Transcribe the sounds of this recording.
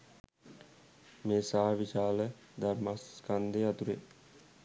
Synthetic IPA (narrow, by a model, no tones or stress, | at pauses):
meːsaɦaʋiʃaːlə | d̪aɾmaskand̪eːat̪uɾḛ